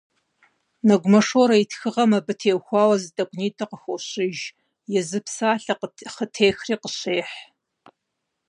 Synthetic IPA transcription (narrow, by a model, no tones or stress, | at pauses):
nɐɡʷʊmɐʂoːɾɐitʰxɨʁɐmɐbɨtʰeːwxʷɑːwɐzɨdɐkʷʼniːtʰɐqəxʷʊɕɪʒ | jɛzɨpsaːɬɐχətʰeːxriːqəɕeːħ